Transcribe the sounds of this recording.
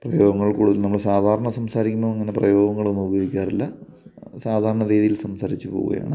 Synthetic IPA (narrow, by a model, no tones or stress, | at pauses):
prɐjo̞ːɡɐŋːɐɭkuːɽuðɐlnɐmːuɭesaːd̪ʱaːɾɐɳɐsɐmsaːɾikʲːumːoːeŋːɐne̞prɐ̰jo̞ːɡɐŋːɐɭonːuboːʋikʲːaːrilːɐ | saːd̪ʱaːɾɐɳɐɾiːðijilsɐmsaːɾit͡ɕːɨpoːɣṵɣɐ̰ja̰ːɳɨ